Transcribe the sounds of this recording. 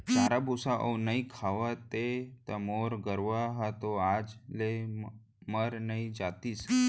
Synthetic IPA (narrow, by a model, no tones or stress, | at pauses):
d͡ʒaɾabʱusaʔə̰wnaikʰaʋat̪et̪əmoɾɡəɾʋaɦat̪oad͡zle | məɾnaid͡zat̪iːs